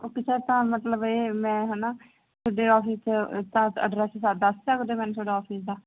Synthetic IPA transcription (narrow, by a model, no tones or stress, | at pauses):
oːkɪt͡ʃʰɛːt̪ãːmət̪ləbeːmɛ̃ːɦɛːnaː | t̪ʰoːɖeːɔːpʰiːst̪ãːə̰ɖɾɛːssaːd̪asd͡ʒaːkod̪eːmɛ̃ːnuːt̪ʰoːɖaːɔːpʰiːsd̪aː